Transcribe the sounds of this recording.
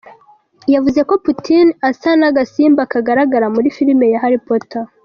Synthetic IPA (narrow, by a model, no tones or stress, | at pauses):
javuze̞ko̞putinasanaɡasiːmbakaɡaɾaɡaɾamuɾifiɾime̞jaɦaɾipota